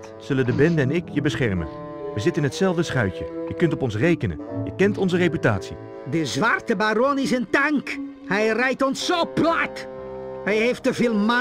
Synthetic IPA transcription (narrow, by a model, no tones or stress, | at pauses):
z̥ɵləndəbɛndəɛnɪkjəbəsχɛɹmə̰n | ʋəzɪtənɦətsɛlˠvdəsχœɥcəjəkɵntɔpɔnsrejkənə̰njəkɛntɔnzərepyta̰ːtsi | dəzʋartəbaronɪs̬əntaŋk | hɛjrɛjtɔnsːoːplat | hɛjɦeftəvɪːlˠma